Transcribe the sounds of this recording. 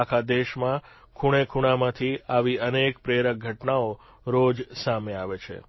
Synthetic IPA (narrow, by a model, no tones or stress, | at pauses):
akʰad̪eʃmã | kʰuɽ̃ekʰuɽ̃amãt̪ʰiaʋiənekpɾeɾək̚ɡʱəʈnao | ɾod͡ʒsameaʋet͡ʃʰḛ